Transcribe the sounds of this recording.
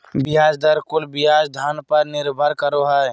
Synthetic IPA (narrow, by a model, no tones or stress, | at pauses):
bɪɦaːd͡ʒd̪əɾkʊlbɪɦaːd͡ʒd̪ʱaːnpəɾnɪɾbʱəɾkəɾoɦɛ